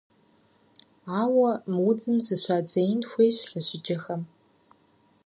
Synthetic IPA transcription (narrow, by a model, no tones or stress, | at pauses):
aːwɐmwud͡zɨmzɨɕʷaːd͡zɐjnxʷejɕɬɐɕɪd͡ʒɐxɐm